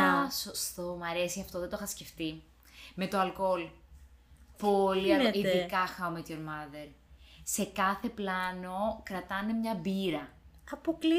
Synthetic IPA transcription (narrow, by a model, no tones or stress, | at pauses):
ɐsost̪o̞mɐɾe̞siɐft̪o̞ðet̪oxɐsce̞ft̪i | me̞t̪oɐlko̞l | poliɐiðikɐxɐomet̪joɾmɐðeɾse̞kɐθe̞plɐno̞kɾɐt̪ɐne̞mɲɐbiɾɐ | ɐpokli